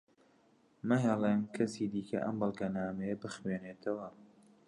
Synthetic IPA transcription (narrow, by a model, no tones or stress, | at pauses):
mɨɦɛlˠemkʰɐsiːd̪iːkʰɐ̰ʔɐ̰mbɨlˠɡɐnaːmɛjɐbɨxweːneːt̪ʰɐwɐ